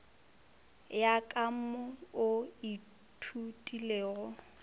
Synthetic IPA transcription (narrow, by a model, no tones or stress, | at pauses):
jakʼaʊʊi | tʰutʼileːɣɔ